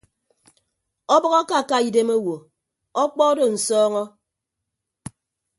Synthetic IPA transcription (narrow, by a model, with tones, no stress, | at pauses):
ɔ˦bɔ˦ɣa˦ka˦˨ka˦˨i˨de˦mo˦wo˨ | ɔ˦k͡pɔ˦do˨n̩˨sɔː˦ŋɔ˦